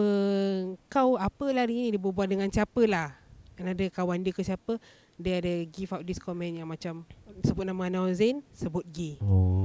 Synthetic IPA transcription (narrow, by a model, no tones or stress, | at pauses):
ə | kawapəlahdəŋinĩdibəbuat̚dəŋansiapəlahanadəkawandəkəsiapə | dəadəɡifawʔ̚diskɔmɛ̃njaŋmat͡ʃamsəbʊt̪̚naməanawzɛnsəbʊt̪̚ɡi